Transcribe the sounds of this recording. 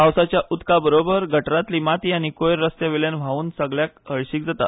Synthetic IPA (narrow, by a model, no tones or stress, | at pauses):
awsat͡ɕjaʔut̪kabəɾobəɾɡʱəʈɾat̪limat̪iːañikojɾɾəst̪jaʋeljanʋ̤ʱaʋuːnsəɡɭjakɦəɭɕiːk̚d͡zat̪a̰